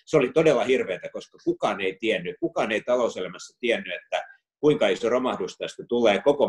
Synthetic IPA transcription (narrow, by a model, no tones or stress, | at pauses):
seolit̪odelːɑhirʋeːt̪ækoskɑkukɑːneit̪iænːykukɑːneit̪ɑlouselæmæsːæt̪iɛnːyet̪ːæ | kuiŋkɑisoromɑhdust̪ɑst̪æt̪ulːeːkoko